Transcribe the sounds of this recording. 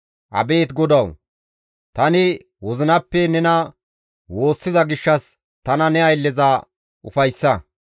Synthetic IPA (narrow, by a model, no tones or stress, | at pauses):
ʔɐ̰be̞ːt̪ɡɔd̪ɐw | t̪ɐnɪ | wɔzɪnɐpːɛnɛnɐ | wo̞ːsːɪzɐɡɪʃːɐs | t̪ɐnɐnɛɐjlːɛzaː | ʔʊfɐjsːɐ